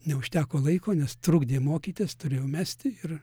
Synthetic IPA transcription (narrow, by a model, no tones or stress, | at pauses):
nʲɛʊʃʲt̪ʲæːkoːlˠɐɪkoːnʲɛst̪ɾuːɡd̪ʲeːmoːkʲiːt̪ʲeːst̪ʊɾʲeːjɛʊmʲæːsʲt̪ʲɪɪr